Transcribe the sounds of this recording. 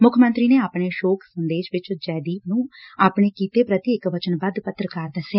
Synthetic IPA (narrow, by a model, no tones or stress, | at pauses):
mʊkʰmə̃nt̪ɾiːneːaːpɳeːʃoːkʰsənd̪eːʃʋɪt͡ʃd͡ʒɛːd̪iːpnũːaːpɳeːkiːt̪eːpɾət̪iɪkʋət͡ʃənbəd̪pət̪ːɾkaɾd̪əsɛː